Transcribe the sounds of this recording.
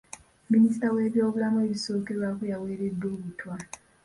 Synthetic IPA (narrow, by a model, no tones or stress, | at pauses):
minis̬i̥tawe̞ːβjo̞ːβulamue̞βiso̞ːke̞ɾwakujawe̞ːɾe̞dːo̞ːβutwa